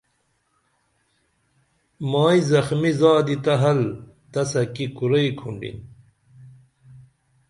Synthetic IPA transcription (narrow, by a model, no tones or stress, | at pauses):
maːizɐxmizaːd̪it̪ɐɦɐlt̪ɐsɐkikuɾɐjkʰuɳɖḭn